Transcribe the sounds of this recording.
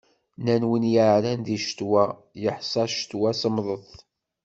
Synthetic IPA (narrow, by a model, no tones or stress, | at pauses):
nænwənjaʕlænðiʃə̥t̪wæjəħsˤɑʃə̥t̪wæsəmðˤəðˤ